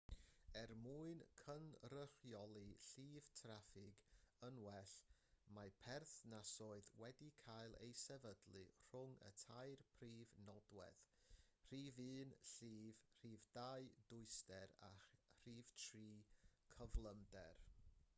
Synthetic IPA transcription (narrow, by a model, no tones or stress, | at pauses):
ɛrmuɨnkʰənrər̥jɔlˠiɬiːv̥tʰrafɪɡənwɛɬmapʰɛrθnasɔɨðwɛdikʰajlˠḛjsɛvədlˠɨr̥ʊŋə̰tʰajrpʰriːvnɔdwɛ̰ðr̥iːvɨːnɬiːvr̥iːvdaɨdʊɨstɛɾa̰r̥iːv̥tʰriːkʰəvlˠəmdɛr